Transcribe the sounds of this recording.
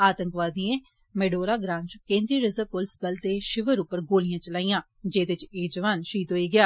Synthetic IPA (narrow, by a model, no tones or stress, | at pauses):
aːt̪əŋkʋaːd̪iẽː | mɛːɖoːɾaːɡɾãːnt͡ʃkẽːnd̪ɾiːɾɪzəʋpʊlɪsbəlt̪eːʃɪʋəɾʊpːəɾɡoːlijãːt͡ʃəlaːijãː | d͡ʒeːd̪ɪt͡ʃeːd͡ʒəʋaːnʃiːt̪ɦoːiːɡɪjaː